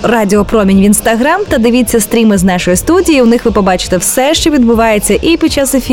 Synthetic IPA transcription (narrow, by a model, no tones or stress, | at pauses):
radʲɪɔpɾɔmʲinʲʋʲinst̪ɐɦɾamt̪ɐd̪ɪʋʲit͡sʲːɐst̪ɾʲimɨznɑʃɔjist̪udʲijiwnɪxʋɨpɔbɑt͡ʃɪ̥t̪ɛwsɛʃt͡ʃɔʋʲid̪bʊʋɑjet͡sʲːɐʔipʲid̪t͡ʃasefʲi